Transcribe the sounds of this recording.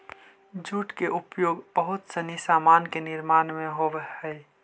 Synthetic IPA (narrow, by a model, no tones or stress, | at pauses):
d͡ʒuʈkeʔʊpjoːɡbəɦʊt̪sənisaːmaːnkenɪɾmaːnmẽɦoʋəhɛj